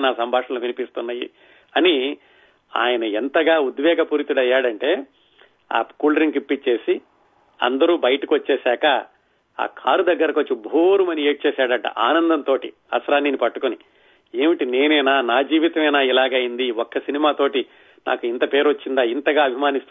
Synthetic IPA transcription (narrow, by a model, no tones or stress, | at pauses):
naːsɐmbʱaːʂɐnluʋinipist̪unːajḭ | ɐni | a̰ːjɐnɐent̪ɐɡaːud̪ʋɛːɡɐpuːɾit̪uɽɐjːaːɽɐɳʈe̞ː | a̰ːkuːlɐɾiŋkipːit͡ʃːe̞ːsi | ɐ̰nd̪ɐɾuːbɐjɐʈɐkiʋɐt͡ʃːɛːsaːkɐ | a̰ːkʰa̰ːɾud̪ɐɡːɐɾɐkʋot͡ʃːubʱoːɾumɐnie̞ːʈ̚t͡ʃɛːsaːɽɐɳʈɐ̰ʔaːnɐnd̪ɐnt̪oːʈi | ɐ̰sɾaːniːnipɐʈːukuni | eːmiʈine̞ːnɛːnaːnaːd͡ʒiːʋit̪ɐmɛːnaːilaːɡaːjind̪iɔkːɐsinimaːt̪o̞ːʈi | na̰ːkuint̪ɐpe̞ːɾot͡ʃːind̪aːint̪ɐɡaːɐbʱimaːnist̪u